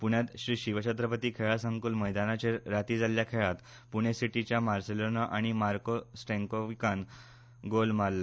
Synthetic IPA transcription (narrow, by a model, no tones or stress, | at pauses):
puɳjat̪ɕɾiːɕiʋəɕət̪ɾəpət̪iːkʰeɭasə̃ŋkuːlməjd̪anat͡ɕeɾat̪iːd͡zaljakʰeɭat̪ | puɳ̃esiʈit͡ɕjamaɾselonaʔaɽ̃imaɾkosʈẽŋkoʋikan | ɡolmalːe